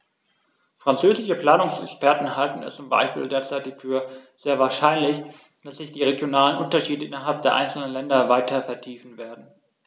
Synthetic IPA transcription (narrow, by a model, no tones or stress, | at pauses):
fʁ̥ant͡søːzɪʃəpl̥aːnʊŋsɛkspɛɐtn̩ɦaltn̩ɛ̰st͡sʊmba̰ɪʃpḭːldeːɐt͡saɪtɪçfyːɐz̥eːɐvaːɐʃaɪnlɪç | d̥asz̥ɪçd̥iːʁeɡjonaːlənʔʊntɐʃiːdəʔɪnɐɦalp̚d̥eːɐʔa̰ɪnsl̩nənlɛndɐvaɪtʰɐfɛɐtʰiːfn̩veːɐdn̩